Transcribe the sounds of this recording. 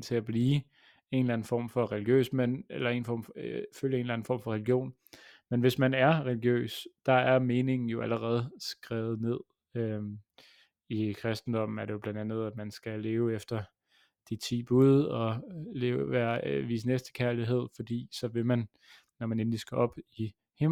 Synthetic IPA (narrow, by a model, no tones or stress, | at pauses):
t͡sʰe̝æb̥liː | e̝ːnlæn̩fɒ̰ːmfɒ̽ʁɛliɡ̥jø̰ːsmen̰elɐe̝ːn̩fɒ̰ːmføljəe̝ːnlæn̩fɒ̰ːmfɒ̽ʁɛliɡ̥jo̝̰ːn | menʋe̝smænæɐʁɛliɡ̥jø̰ːsd̥ɑ̈æɐme̝ːne̝ŋn̩jo̝ʔæləʁɛːð̞̩ˠsɡ̥ʁɛːð̞̩ˠne̝ð̰ˠ | ø | ikʰʁɛsd̥n̩d̥ɒ̽m̰n̩æɐd̥e̝jo̝b̥lænd̥ænð̩ˠæd̥mænsɡ̥æle̝ːʊefd̥ɐ | d̥it͡sʰḭːb̥uðˠɒ̽le̝ːʊʋæːɐʋḭːsnesd̥ə̥kʰæɐliɦe̝ð̞̰ˠfɒ̽d̥ḭːsɒ̽ʋe̝mæn | nɒmæne̝nlisɡ̥æɒ̽b̥i | hem